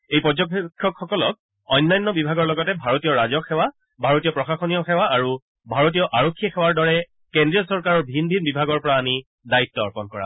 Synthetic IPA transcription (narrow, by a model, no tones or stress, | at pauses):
ejpɔzɔkkʰːɔkxɔkɔlɔk̚ | ɔjnːajnːɔbibʱaɡɔɹlɔɡɔtɛbʱaɹotijɔɹazɔkʰɛwa | bʱaɹotijɔpɹɔxaxɔnijɔxɛwaʔaɹu | bʱaɹot̬ijɔʔaɹokʰːiɔxɛwaɹdɔɹɛ | kendɹiɔsɔɹkaɹɔɹbʱinbʱinbibʱaɡɔɹpɔɹaːmi | dait̪ːɔɔ̰ɹpɔnkɔɹa̰